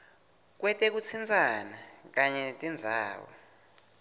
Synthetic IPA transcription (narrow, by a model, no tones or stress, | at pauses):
k̬wɛtʼɛk̬ut͡sʰind͡zʱʼanak̬aɲɛtʼind͡zʱa̰ːwɔ̰